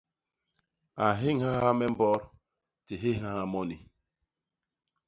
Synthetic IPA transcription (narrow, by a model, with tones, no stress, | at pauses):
a˨ɦɪ˦ŋ̩˦ɦa˦ɦa˦me˦m̩˦bɔ˦ɾ | tɪ˨ɦɪ˦ɦa˦ha˦mɔ˦ni˨